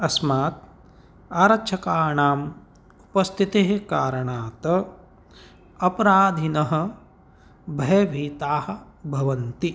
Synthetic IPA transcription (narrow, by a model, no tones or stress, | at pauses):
ɐsmaːt̪̚ | aːɾɐt͡ʃʰɐkaːɳaːm | upɐst̪ʰit̪eːɦekaːɾɐɳaːt̪ɐ | ɐpɐɾaːd̪ʱinɐɦɐ̆ | bʱɐjɐʋʱiːt̪aːhɐ̆ | bʱɐʋɐnt̪i